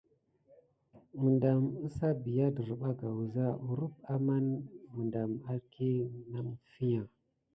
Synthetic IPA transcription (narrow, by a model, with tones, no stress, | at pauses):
mu˨nda˨m̩˦sa˦bi˨ja˦də˨ɾu˨ɓa˦ɡa˨wu˨za˦u˨ɾu˦ba˦ma˦nmu˨nda˨ma˦ɾkʰi˦˨na˦m˦fi˦ja˨